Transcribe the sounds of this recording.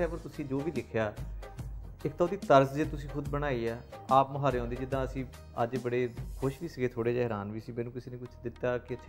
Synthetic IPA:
ɛːpəɾt̪ʊsĩːd͡ʒoːʋiːd̪ɪkʰjaː | ɪkt̪aːd̪iːt̪əɾsd͡ʒeːt̪ʊsĩːkʰʊd̪bəɽ̃aːiːaːaːpməɦaːɾeːõːnd̪iːd͡ʒɪd̪ːãːəsĩː | ə̰d͡ʒbəɽeːkʰʊʃʋiːsəɡeːt̪ʰoːɽeːd͡ʒaːɦɛɾaːnʋiːəsĩːmɛ̃ːnũːkɪseːneːkʊt͡ʃʰd̪ɪt̪ːaːkɪət̪ʰː

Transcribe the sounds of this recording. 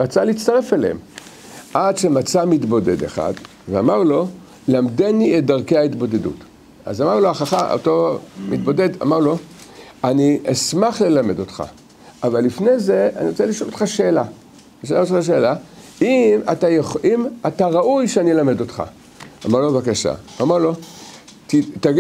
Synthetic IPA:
ʁat͡saleitt͡st̪aʁe̞felḛḛm | ʔadʃemat͡samitbo̞de̞deχa̰d | veamaʁlo̞ | lamdeniet̚d̪aʁkejait̪bo̞dedṵt | a̰zamaʁloaχaχao̰to̞mitbo̞de̞da̰maʁlo̞ | aniasmaχle̞lame̞do̞t̪χa̰ | avalːifne̞jze̞aniʁot͡seliʃolot̪χaʃe̞ːla | iʃeliotaʃ̬e̞ːla | imatajoχimataʁaʔujʃeanijelame̞do̞t̪χa̰ | amaʁlovakaʃa̰amalo̞ | tit̪a

